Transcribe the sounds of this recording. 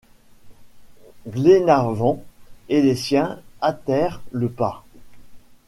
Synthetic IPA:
ɡlenaʁvɑ̃elesjɛ̃at̪ɛʁləpa

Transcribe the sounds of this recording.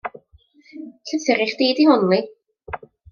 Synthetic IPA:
ɬʰəθɪɾiχd̥eːdihʊnlˠi

